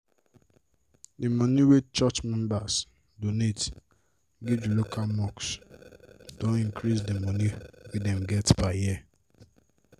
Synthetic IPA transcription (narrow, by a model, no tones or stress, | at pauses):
dɪmoniwet͡ʃɔt͡ʃmɛ̃mbas | donet | ɡɪd͡ʒulokʰalmɔks | d̥õnĩŋkɾis̬dimoniɡɪdɛm̩ɡɛtpaji